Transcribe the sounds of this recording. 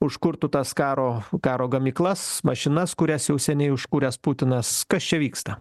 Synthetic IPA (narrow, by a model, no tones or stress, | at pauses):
ʊʃkʊɾt̪ʊt̪ɐskɑːɾoːkɑːɾoːɡɐmʲiːklˠɐsmɐʃʲɪnɐskʊɾʲæsjɛʊsʲɛnʲɛɪʊʃkuːɾʲæsput̪ʲɪnɐskɐst͡ʃʲɛʋʲiːkst̪ɐ